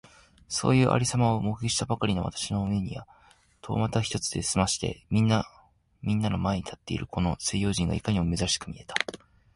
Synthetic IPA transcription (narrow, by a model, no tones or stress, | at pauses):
so̞̰ːjɯ̟ːʔa̰ɾʲisamaomoiɕi̥t̪abakaɾʲino̞βa̰t̪ḁɕino̞ɯmeɲ̟ḭβa | t̪ʰo̞̰ːmat̪açʲi̥t̪o̞t͡sɨ̥d̪e̞sɨmaɕi̥t̪e̞̰mʲĩnːa | mʲĩnːanomae̞ɲ̟it̪ʰḁt̪ːe̞̰ḭɾɯ̟kʰo̞no̞sejo̞ːʑĩŋɡa̰ikaɲ̟imo̞me̞zaɕi̥kɯ̟mʲie̞t̪ʰḁ